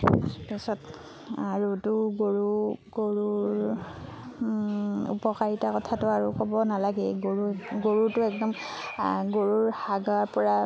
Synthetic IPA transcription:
pisɔt | aɹutʊɡoɹuɡoɹuɹ | ṵpɔkaɹitakɔtʰatʊaɹukɔbɔnalaɡɛɡoɹuɡoɹutʊɛk̚dɔm | ɡoɹuɹhaɡaɹpɔɹa

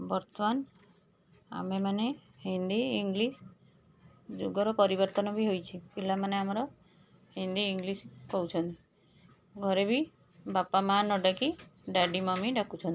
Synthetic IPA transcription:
bɔɾt̪ɔman | a̰memanehind̪iːŋɡlis | d͡ʒuɡɔɾɔpɔɾibɔɾt̪ɔnɔbiɦojt͡ʃʰipilamaneamɔɾɔ | hind̪iːŋɡliskɔɦut͡ʃʰɔnt̪i | ɡʱɔɾebi | bapamanɔɖakiɖaɖimɔmiɖakut͡ʃʰɔnt̪i

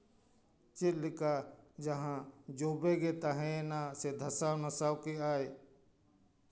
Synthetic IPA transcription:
t͡ʃɪlɪkaːd͡ʒəɦãd͡ʒoːbeːɡeːt̪aɦẽnased̪ʱəsaːwnəsaːwkiaːe

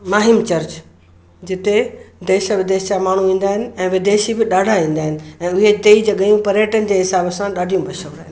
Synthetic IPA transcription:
maːɦɪmt͡ɕɐɾt͡ɕ | d͡ʑɪt̪ed̪eːʃʋɪd̪eːʃd͡ʑamaːɳ̤uʋĩːn̆d̪aːɦɪnɪ̆ɛ̃ːʋɪd̪eːʃibɪɗaːɖʱaʋĩːnd̪aːɦɪnɪ̆ɛ̃ːʊɦet̪eːid͡ʑɐɠəjũpɐɾjəʈənɪd͡ʑeːɦɪsaːbəsãɗaːɖʱijũbɐʃə̃ːnd̪aːɦɪnɪ

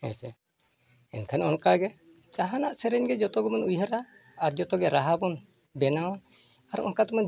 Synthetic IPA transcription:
ɛ̰sɛ | ɛ̰nkʰanɔnkaɡɛ | t͡ʃaɦanaʔsɛɾɛɲɡɛd͡ʒɔt̪ɔɡɔmɔnujɦaɾaː | ɾd͡ʒɔt̪ɔɡɛɾaɦabɔn | bɛnawɔn | aɾɔ̰nkat̪ɔmɔn

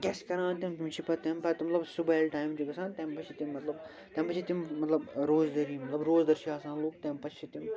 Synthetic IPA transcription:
kʲeskɐɾãːnt̪imt̪imt͡ʃʰipɐt̪ɛmpɐt̪mɐt̪lɐbsubaːlʈaːjmt͡ʃuɡɐsãːnt̪ɛ̃mpɐt͡ʃʰit̪imːɐt̪lɐb | t̪ɛ̃mpɐt͡ʃʰit̪immɐt̪lɐbɾoːzd̪ɐɾiːmɐt̪lɐbɾoːzd̪ɐɾʃiaːsaːnloːk̚t̪ɛ̃mpɐt͡ʃʰt͡ʃʰit̪im

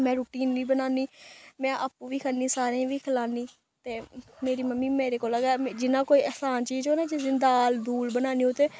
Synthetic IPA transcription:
mɛ̃ːɾuːʈiːnʋiːbənaːniːmɛ̃ːʔaːpũːʋiːkʰənĩːsaːɾẽːʋiːkʰəlaːniː | t̪eːmeːɾiːməmːiːmeːɾeːkoːlaɡaːd͡ʒɪnãːkoːiːɛːsaːnt͡ʃiːzoːnãːd͡ʒezɪnd̪aːld̪uːlbənaːniːõːt̪eː

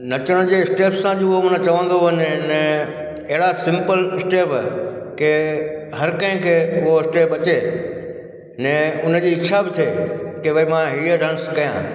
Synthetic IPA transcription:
nɐt͡ɕəɽ̃d͡ʑeɪsʈeːpsːãd͡ʑoɦomʊ̃nə̃t͡ɕɐʋə̃n̆d̪oənnɛ̃ | ɐɦɪɽasɪ̃mpəlɪsʈeːpke | ɦɐɾkɐ̃ɦɪ̃kʰeːʊɦoɪsʈeːpɐt͡ɕeː | nɛ̃ʊnə̆d͡ʑiːɪt͡ɕʰabɪt̪ʰekeʋɐimãɦiːəɖʱə̃ɽ̃skɐjã̰ː

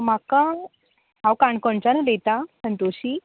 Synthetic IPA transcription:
m̤aka | ɦãwkãɳkɔɳt͡ɕanulet̪asənt̪oɕi

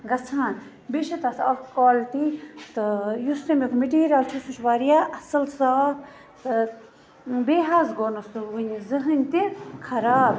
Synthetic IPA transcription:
ɡɐt͡sʰaːn | biʃɐt̪ɐsɐ̰fkaːlt̪it̪ɨjust̪ɐmikʰmeʈiːɾiaːlt͡ʃʰusut͡ʃʰʋaːɾijaːʔɐsɐlsaːp | t̪ɨ | beːɦaːzɡoːnɐst̪ɨʋɨnʲizɨɦɨnʲt̪ikʰɐɾaːb

